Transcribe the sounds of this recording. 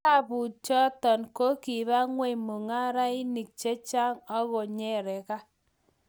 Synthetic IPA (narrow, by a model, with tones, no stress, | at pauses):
a˦˨bu˨t͡ʃɔ˦tɔ˨nko˦ki˨βa˦ŋwe˦mo˨ŋa˦ɾa˦i˦ni˨k̚t͡ʃe˦t͡ʃa˦ŋɔ˦ɣo˨ɲɛ˦˨ɾɛ˨ka˦